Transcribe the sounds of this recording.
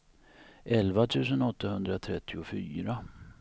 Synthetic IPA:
ʔɛlvat̪ʰʉ̟ːs̬ənɔt̪ːahɵnd̪ɾat̪ʰɾɛ̰t̪ʰːɪʊfyːɾa

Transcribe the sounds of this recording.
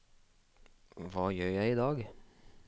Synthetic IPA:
ʋɑːjøːjæɪiːd̪ɑːɡ

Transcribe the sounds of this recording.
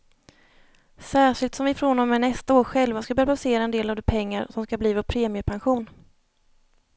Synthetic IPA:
sæːʂɪlt̪sɔmvɪfɾonɔmːɛnɛst̪aoːɾɧɛlvaskabœːɾabaseːɾaɛnd̪eːlavd̪ɛpʰɛŋːaɾsɔmskabliːvɔɾpʰɾeːmɪəpʰanɧuːn

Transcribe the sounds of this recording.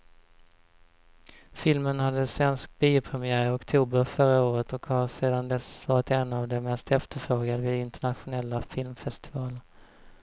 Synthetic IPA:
fɪlmənhad̪ːəsvɛnsk̚biːʊpʰɾɛmɪæːɾɪɔkt̪ʰuːbəɾfœɾaoːɾət̪ɔkhaɾseːd̪and̪ɛsvɑːɾɪt̪ɛnːavd̪ɛmɛst̪ɛft̪əɾfɾoːɡad̪əvɪd̪ɪnt̪əɳat̪ɧʊnɛlːafɪlmfɛst̪ɪvɑːlə

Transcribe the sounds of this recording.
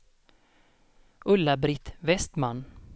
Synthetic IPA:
ʔɵlːabɾɪt̪vɛst̪manː

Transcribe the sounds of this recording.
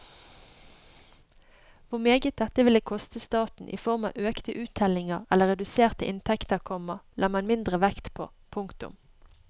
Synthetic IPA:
ʋʊmeːɡət̪̚d̪ɛt̪əʋɪləkʰɔst̪əst̪ɑːt̪n̩ʔḭːfɔʁmɑ̰ːʔøːkt̪əʔʉːt̪ʰɛlɪŋəʁɛlːəʁɛd̪ʉseːʁt̪əʔɪnt̪ʰɛkt̪əʁkʰɔməʁlʔɑːmɑnmɪnd̪ʁəʋɛkt̪pʰo̰ː | pʰʊŋkt̪ʉ̰m

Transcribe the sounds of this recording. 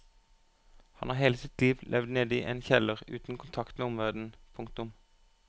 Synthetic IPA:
hɑnhɑːʁheːləsɪt̪liːʋlʔɛʋd̪neːd̪əiːʔeːnçɛləʁʉ̰ːt̪n̩kʰʊnt̪ʰɑkt̪meːʊmʋæʁd̪n̩pʰʊŋkt̪ʊm

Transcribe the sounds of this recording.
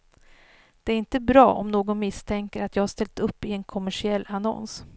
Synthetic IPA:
d̪̥ɛæɾɪnt̪əbɾɑ̰ːʔɔ̰mnoːɡɔnmɪst̪ʰɛŋkəɾat̪jɑːɡhaʂt̪ɛlt̪ɵpːɪɛnkʰɔmːæʂɪɛlːanɔ̰ns

